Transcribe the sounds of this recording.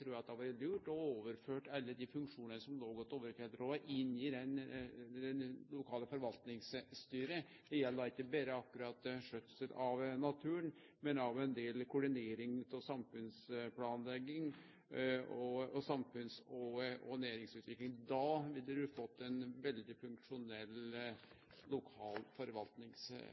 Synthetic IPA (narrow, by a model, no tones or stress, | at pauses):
t̪ʰɾuːjæɑt̪̚d̪ɛɑʋɑɾlʉːʈɔoːʋəɾføːʈɑlːəd̪ɪfʉŋkʂuːnənəsɔmnoːɡɔt̪ːoːʋəɾk̪ɛləɾoːʔɪnid̪ɛnd̪ɛnlʊkʰɑːləfɔɾʋɑlt̪nɪŋsst̪yːɾə | d̪ɛjɛlːəɾɪkːəbeːɾəɑkːʉɾɑt̪ːʂœt̪ːəsəlʔɑʋnɑt̪ʰʉːən | mɛnɑʋɛnd̪eːlkʰʊɖɪneːɾɪŋt̪ʰɔsɑmfʉnsplɑːnlɛɡɪŋ | ɔɔsɑmfʉnsɔɔnæːɾɪŋsʉːt̪ʋɪklɪŋd̪ɑʋɪldəd̪ʉfɔt̪ːɛnʋɛld̪ɪfʉŋkʂʊnɛlː | lʊkʰɑːlfɔɾʋɑlt̪nɪŋs